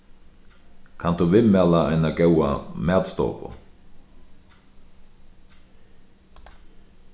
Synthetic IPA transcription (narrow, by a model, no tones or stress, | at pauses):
kʰant̪uʋɪmɛːlaa̰jnaɡɛwa̰mɛːt̪st̪ɔ̰ːpʊ̰